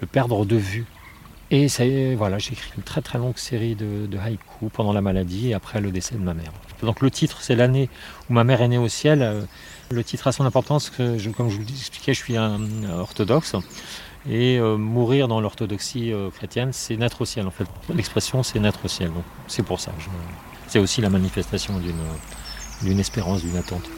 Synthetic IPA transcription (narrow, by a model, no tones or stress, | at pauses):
ləpɛʁd̪ʁəd̪əvy | esavwalaʒeːkχiynt̪χɛt̪χɛlɔ̃ɡseʁid̪əd̪əɦajkʰupɑ̃d̪ɑ̃lamalad̪ieapχɛləd̪esɛd̪əmamɛːʁɑffɛd̪ɔ̃klət̪ʰit̪χsɛlaneumamɛʁeneosjɛlø | lət̪ʰit̪χasɔ̃nɛ̃pɔʁt̪ɑ̃skəʒəkɔmʒəvuzɛkspli̥kʲɛʒəsɥiɛ̃ɔʁt̪ɔd̪ɔks | eømuʁiʁd̪ɑ̃lɔʁt̪ɔd̪ɔksiøkχet̪jɛnsɛnɛt̪χosjɛlɑ̃fɛt̪lɛkspχesjɔ̃sɛnɛt̪χosjɛld̪ɔ̃k | sɛpuʁsa̰kəʒə | sɛt̪osilamanifɛst̪asjɔ̃d̪ynød̪ynɛspeʁɑ̃sd̪ynat̪ɑ̃t̪